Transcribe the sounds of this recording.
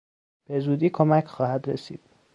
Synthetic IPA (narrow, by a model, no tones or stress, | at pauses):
b̥e̞zuːd̪iːkʰomæcʰχɒːhæd̪ɾesḭːd̪̥̚